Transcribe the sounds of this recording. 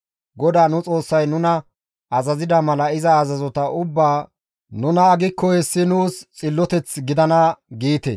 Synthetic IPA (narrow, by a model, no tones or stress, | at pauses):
ɡɔd̪aːnʊt͡sʼo̞ːsːɐjnʊnɐ | ɐzɐzɪd̪ɐmɐlɐɪzɐːzɐzɔt̪ɐʔʊbːaː | nʊnɐːɡɪkːɔhɛsːɪnuːst͡sʼɪlːɔt̪ɛt͡sɡɪd̪ɐnɐɡiːt̪ɛ̰